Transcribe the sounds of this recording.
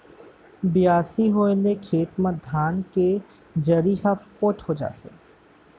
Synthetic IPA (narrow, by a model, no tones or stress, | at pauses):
bɪjaːsiɦoːenekʰeːt̪mə̃d̪ʱaːnke | d͡ʒɐɾiːɦapothod͡ʒa̰ːt̪ḛ